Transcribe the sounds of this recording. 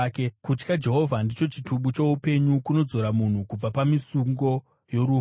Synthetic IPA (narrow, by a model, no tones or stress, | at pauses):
kekut͡ʃkad͡ʒe̞ɦo̞vʱandit͡ʃo̞t͡ʃituɓut͡ʃo̞upe̞ɲukuno̞d͡zo̞ɾamun̤ukub͡vapamisuŋɡo̞ | jo̞ɾu